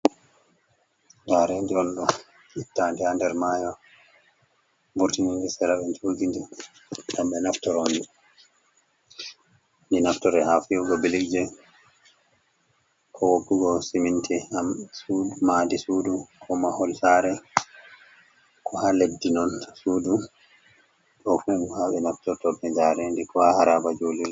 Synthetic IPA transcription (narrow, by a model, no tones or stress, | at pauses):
d͡ʒaɾɛndiɔnɗɔ | ʔitːandihandɛɾmaːjɔ | buɾtininɡɛsɛɾaɓɛd͡ʒoːɡindi | damɓɛnaftɔɾondi | ndinaftɔɾɛhafijuɡɔbilikd͡ʒɛ | kʰɔwopːuɡɔsimintʰɛhamsudmadisudukʰɔmahɔlsaɾɛ | kʰɔhaledːinɔnsuːdu | ɗɔkɛnhaɓɛnaftɔɾtɔbɛd͡ʒaɾɛndikɔhahaɾabad͡ʒoliɾ